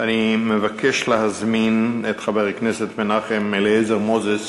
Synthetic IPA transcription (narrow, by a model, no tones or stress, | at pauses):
animəvakʰɛʃlɪhazminɛtχabɛʁəknɛsɛtmɪnaχɪmɪlezəʁmɔzəs